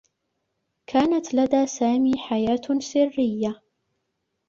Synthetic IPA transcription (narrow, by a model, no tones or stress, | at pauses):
kʰaːnat̪lad̪aːsaːmiːħajaːt̪sɪrːɪjːa